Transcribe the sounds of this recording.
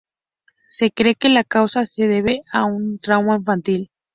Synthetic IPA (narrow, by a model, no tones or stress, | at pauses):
se̞kɾe̞kelakawsase̞ðe̞β̞eaunt̪ɾawmaiɱfant̪il